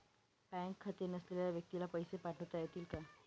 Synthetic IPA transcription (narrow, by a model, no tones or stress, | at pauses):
bɛŋkʰːat̪enəsleljaʋjək̚t̪ilapəjsepaʈʰəwt̪ajet̪iːlka